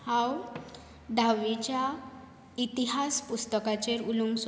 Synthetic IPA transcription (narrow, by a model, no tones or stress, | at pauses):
hãw | d̪ʱaʋit͡ɕja | it̪iɦaspust̪əkat͡ɕeɾulums